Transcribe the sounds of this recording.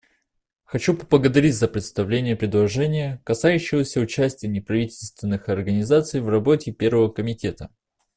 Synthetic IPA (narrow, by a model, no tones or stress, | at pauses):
xɐt͡ɕupəblˠəɡəd̪ɐɾʲitʲzəpɾʲɪt̪st̪ɐvlʲenʲɪjəpɾʲɪd̪lˠɐʐɛnʲɪjəkɐsajʉɕːɪvəsʲəʊt͡ɕæsʲtʲɪjənʲɪpɾɐvʲitʲɪlʲst̪vʲɪnːɨxɐrɡənʲɪzat̪sɨjvrɐbo̞tʲɪpʲe̞rvəvəkəmʲɪtʲe̞t̪ə